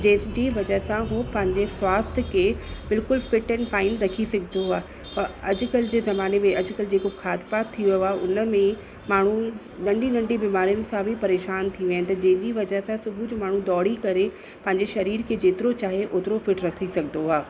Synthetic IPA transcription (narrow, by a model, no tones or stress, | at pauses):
d͡ʑɐ̃ɦɪ̃d͡ʑiʋɐd͡ʑəɦɪsãɦoːpɐ̃ɦɪ̃ɲd͡ʑeswaːst̪ʰkʰeːbɪlkʊlfɪʈɛ̃ːnfaːɪnɾɐkʰisɐɡʱɪnd̪oɦaː | pɐɐd͡ʑʊkɐlɪd͡ʑeːzɐmaːnemẽɐd͡ʑʊkɐlɪd͡ʑeːkokʰaːd̪paːt̪ʰːiʋijoaːʔʊnə̆mẽ | maːɳ̤ũ | nɐ̃ɳɖĩnɐ̃ɳɖĩbiːmaːɾijʊnɪ̆sãbʱɪpɐɾeːʃaːnt̪ʰiʋːnɪ̆t̪ɐd͡ʑɐ̃ɦɪ̃ɲd͡ʑiʋɐd͡ʑəɦsãsʊbʱʊd͡ʑmaːɳ̤ũd̪ɔːɽ̤ikɐɾe | pɐ̃ɦɪ̃ɲd͡ʑeʃɐɾiːɾkʰeːd͡ʑeːt̪ɪɾot͡ɕaːɦeʔoːt̪ɪɾofɪʈɾɐkʰisɐɡʱɪnd̪oɦaː